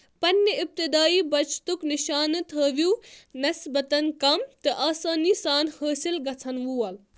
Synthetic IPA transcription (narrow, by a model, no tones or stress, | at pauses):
pɐnjəip̚t̪id̪aːiːbɐt͡ʃʰt̪ukniʃaːnɨt̪ʰəːʋunɐsbɐt̪ɐnkɐmt̪ɨʔaːsaːnisaːnhəːsilɡɐt͡sʰɐnʋuːɐl